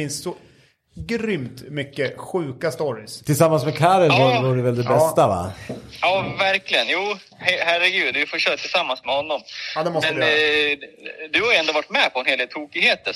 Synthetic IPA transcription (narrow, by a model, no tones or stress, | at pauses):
ɪnsːɔ | ɡɾʏmt̪mʏkːəɧʉ̟ːkast̪ɔɾɪst̪ʰɪlsamːansmɛkʰaɾəlvavɑɖɵvɛld̪ɛbɛst̪ava̰jɑːvæɾklɪɡənjuː | hhæɾɛɡʉ̟ːd̪vɪfoːɕœːɾat̪ʰɪlsamːansmɛhɔnːɔmad̪ɛmɔstmɛnj | d̪ɵhaɾjʊɛnd̪ovaʈːmɛpʰɔɛnheːld̪eːlt̪ʰuːkɪɡheːt̪